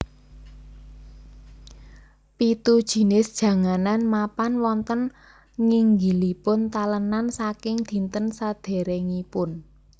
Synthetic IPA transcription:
pit̪ud̥ʒ̥i̤nɪsd̥ʒ̥ä̤ŋananmapanwɔnt̪ən | ŋɪŋɡilipʊnt̪alənansakɪŋd̪̥i̤nt̪ənsad̪̥e̤ɾeŋipʊn

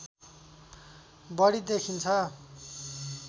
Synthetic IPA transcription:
bʌɽid̪ekʰint͡sʰʌ

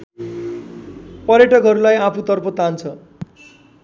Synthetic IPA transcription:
pʌɾjʌʈʌkɦʌɾulajapʰut̪ʌrpʰʌt̪ant͡sʰʌ

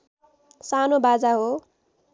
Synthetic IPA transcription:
sanobad͡zaɦo

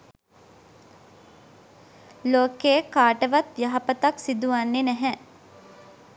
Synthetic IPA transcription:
loːkeːkaːʈəʋat̪jaɦɐpət̪aksid̪uʋanːenɛɦɛ

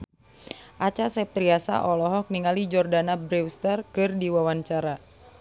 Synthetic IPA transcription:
ʔat͡ʃasɛp̚t̪ɾiasa̰ʔɔlɔɦɔk̚niŋalid͡ʒɔrdanabɾiwst̪ərkɨrdiwawaɲt͡ʃaɾa

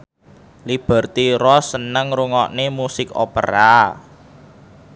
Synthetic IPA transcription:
lib̥ə̤rt̪iɾɔsənəŋɾuŋɔʔnemusɪko̰pə̰ɾa

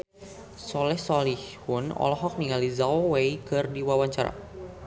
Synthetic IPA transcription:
sɔlɛhsɔlihhʊnɔ̰lɔɦɔk̚niŋalizaowejkɨrdiwawaɲt͡ʃaɾa̰

